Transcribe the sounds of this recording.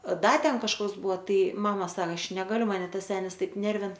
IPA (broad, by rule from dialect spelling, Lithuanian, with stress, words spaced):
ˈdɐ ˈtʲɛn kɐʃˈkɐs ˈbʊʋoː ˈtɐɪ ˈmɑːmɐ ˈsɐk ˈɐʃ ˈnʲæːɡɐlʲʊ mɐˈnʲɛ ˈtɐs ˈsʲæːnʲɪs ˈtɐɪp ˈnʲɛrʲʋʲɪn